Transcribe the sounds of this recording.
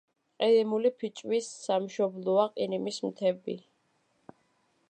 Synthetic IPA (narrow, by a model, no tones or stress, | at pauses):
qʼiɾimulipʰit͡ʃʼwisːamʃɔblˠɔaqʼinimismt̪ʰɛbḭ